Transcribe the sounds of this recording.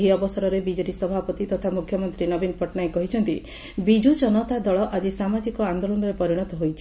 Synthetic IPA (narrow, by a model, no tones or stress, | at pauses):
ɦiɔbɔsɔɾɔɾebid͡ʒeɾisɔbʱapɔt̪it̪ɔt̪ʰamukʰjɔmɔnt̪ɾinɔbinpɔʈnajkɔɦit͡ʃʰɔnt̪i | bid͡ʒud͡ʒɔnɔt̪ad̪ɔɭɔʔad͡ʒisamad͡ʒikɔand̪olɔnɔɾepɔɾiɽ̃ɔt̪ɔɦojt͡ʃʰi̥